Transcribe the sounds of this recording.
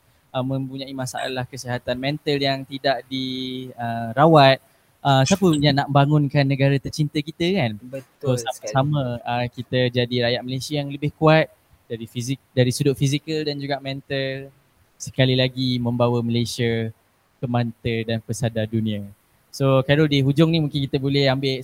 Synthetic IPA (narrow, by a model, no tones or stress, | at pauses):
ʔəmːə̃mpuɲãimasa̰a̰lahkəsiɦat̪anmɛ̃nt̪əljaŋt̪idaʔdiəɾawat̪̚ | ʔəsapənanaʔmbaŋʊnkanːə̃ɡaɾat̪ərt͡ʃint̪əkit̪əkanəsosasaməəkit̪əd͡ʒadiɾajaʔ̚məlajsiajaŋləbɪhkuat̪̚ | daɾifizidaɾisudʊʔ̚fizikəldand͡ʒuɡaʔmɛ̃nt̪əl | sə̥kalilaɡimə̃mbawəməlajsiə | kəmant̪ədanpəsadadunĩa | sokaɾɔldiɦud͡ʒʊŋnimũŋkɪnkit̪əbolɛhambɪ